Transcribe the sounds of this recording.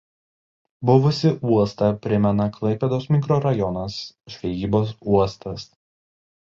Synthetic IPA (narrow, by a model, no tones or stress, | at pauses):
bʊʋʊsʲɪʔuɔst̪ɐpʲɾʲɪmʲɛnɐklˠɐɪpʲɛd̪oːsmʲɪkɾoːɾɐjɔnɐsʒʲʋʲɛjiːboːsuɔst̪ʰɐs